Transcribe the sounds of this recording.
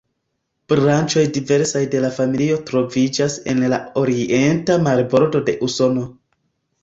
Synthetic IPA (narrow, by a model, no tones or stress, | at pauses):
b̥ɾant͡ʃo̞jdive̞ɾsajde̞lafamilio̞tɾo̞vid͡ʒase̞̰nla̰o̞ɾie̞ntamaɾbo̞ɾdo̞de̞ʔuso̞no̞